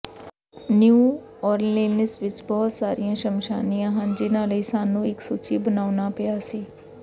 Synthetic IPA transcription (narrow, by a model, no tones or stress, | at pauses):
njuː | ɔːɾleːnəsʋɪt͡ʃbɔːt̪saːɾijãːʃəmʃa̰ːnijãːɦənd͡ʒɪnãːləiːsaːnũːɪksut͡ʃiːbənaːʊnaːpɪjaːsiː